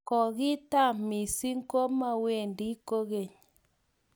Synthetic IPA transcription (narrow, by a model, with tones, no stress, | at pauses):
kɔ˨ɣi˦ta˦˨mi˨si˦ŋ˦ko˦ma˦˨we˨ndi˦ko˦ɣe˨ɲ˨